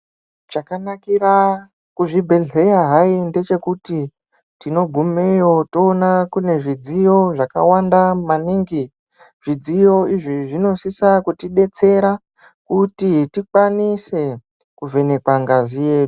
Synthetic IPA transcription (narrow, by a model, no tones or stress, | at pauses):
t͡ʃakanakiɾa | kuʐibʱe̞ɮe̞jaɦainde̞t͡ʃe̞kuti | tino̞ɡʱumejo̞to̞ːnakune̞ʐid͡zijo̞ʐaka̰wandamaniŋɡi | ʐ̥id͡zijo̞iʐiʐino̞sisakutiɗe̞t͡se̞ɾa | kutitikwanise̞ | kuve̞ne̞kwaŋɡazije̞ːu